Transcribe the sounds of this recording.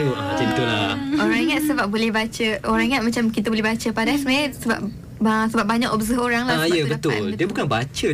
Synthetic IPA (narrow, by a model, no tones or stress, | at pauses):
oʔat͡ʃint̪ulaoɾãŋaʔsəbap̚bolɛhbat͡ʃəʔoɾaŋaʔmat͡ʃamkit̪aboulɛɦbat͡ʃəpadasəmaasəbap̚ | asəbap̚baɲakɔbzəɦoɾaŋlaaijəbət̪ʊldiəbukanbat͡ʃə